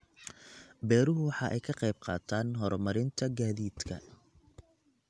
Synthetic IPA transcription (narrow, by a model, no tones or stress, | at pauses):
bɛːɾʊɦʊwɑħɑʔɛjkʰɐqɛjb̚qɑ̰ːt̪ʰaːnɦɔrmɐɾɪnt̪ʰɐɡaːðiːd̪kʰɐ̰